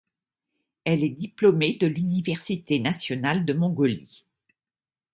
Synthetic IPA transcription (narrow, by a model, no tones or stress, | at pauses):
ɛlɛd̪iplɔmed̪əlynivɛʁsit̪enasjɔnald̪əmɔ̃ɡɔlḭ